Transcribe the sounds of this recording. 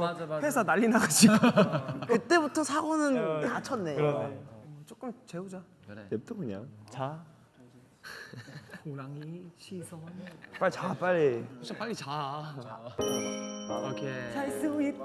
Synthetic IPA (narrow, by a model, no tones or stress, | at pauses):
pʰesʰanaʎːinaɡad͡ʑiɡokɯt͈e̞butʰʌsʰaɡonɯnmat͡ɕʰʌnːe̞ | ʌt͡ɕ͈ok͈ɯmt͡ɕe̞ud͡ʑa | nep̚t͈okɯɲa̰t͡ɕa | oɾaŋiɕʰisʰʌp͈aɭit͡ɕap͈aɭːioɕʰip͈aʎːit͡ɕa | kʰesʰais͈ɯɡui